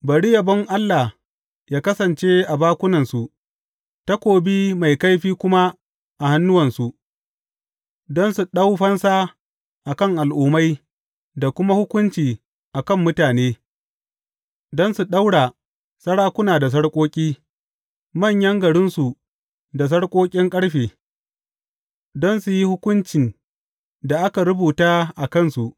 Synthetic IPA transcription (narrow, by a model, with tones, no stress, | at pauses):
bɐ˨ɽi˦jɐ˨bɐ˦ŋʔa˦lːa˨ | jaː˦kɐ˦sɐ˨nt͡ʃe˦ʔa˨baː˦kʷʊ˦nɐ˨nsu˨ | ta˦kʷoː˨bi˦ma˨jka˦jɸiː˦kʷʊ˦ma˦ | ʔa˨ha˦nːʊ˦wɐ˨nsu˨ʔ | dɔ˦nsu˨ɗa˦wɸɐ˦nsa˦ | ʔa˨kɐ˦˨ŋʔa˨lʔuː˨ma˦j | da˨kʷʊ˦ma˦hʊ˦kʷʊ˦nt͡ʃiː˨ | ʔa˨kɐ˦˨mːʊ˦taː˨neː˦ | dɔ˦nsu˨ɗa˦wɽa˨ | sɐ˦ɽaː˦kʷʊ˦naː˨da˨s̬ɐ˦ɽkʷʼoː˦kʲʼiː˦ | mɐ˦˨ɲjɐ˦ŋɡɐ˨ɽɪ˦nsu˨ | da˨s̬ɐ˦ɽkʷʼoː˦kʲʼɪ˦ŋkʼɐ˦ɽɸeː˨ | dɔ˦nsu˨ji˦hʊ˦kʷʊ˦nt͡ʃɪ˨n | da˨ʔa˦ka˨ɾʊ˦buː˨taː˦ʔa˨kɐ˦˨nsu˨ʔ